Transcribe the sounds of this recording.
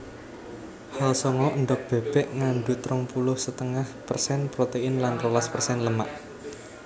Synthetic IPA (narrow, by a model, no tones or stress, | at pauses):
halsɔŋɔʔənd̪ɔk̚b̥e̤b̥ɛʔŋaɳɖut̪ɾɔŋpulʊhsət̪əŋahpərsɛnpɾot̪eɪnlanrolaspərsɛnləmaʔ